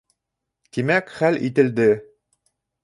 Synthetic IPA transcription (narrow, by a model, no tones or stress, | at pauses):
t̪imækχælʔit̪ɘ̆ld̪ɘ